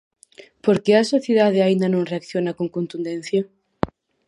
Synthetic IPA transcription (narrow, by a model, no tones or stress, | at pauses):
poɾkeɐsoθjeðað̞eaind̪ɐnõŋreakθjonɐkoŋkont̪und̪ẽn̟θja